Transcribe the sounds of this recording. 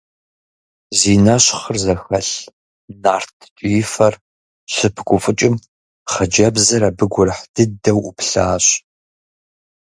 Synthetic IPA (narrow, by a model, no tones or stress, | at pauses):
ziːnɐɕχərzɐxɐɬ | naːrtʰt͡ʃʷʼijɪfɐr | ɕɪpʰɡʷʊfʼɨt͡ʃʼɪm | χɐd͡ʒɐbzɐɾɐbɨɡʷʊrħd̥ɨdɐwʔʊpɬaːɕ